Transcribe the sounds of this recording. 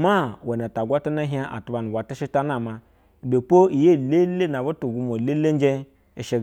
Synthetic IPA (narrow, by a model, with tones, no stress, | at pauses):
ma˦˨we˨na˨ta˨ɡʷa˦ta˦na˦ɦĩ˦a˦ʔa̰˨tu˦ba˨nu˨wa˨ti˦ʃi˦ta˦na˨ma˨ | do˨po˦i˨je˦˨le˦le˦na˨bu˦tu˨ɡu˦mo˨le˦le˦n˦d͡ʒe˦ | e˨ʃe˨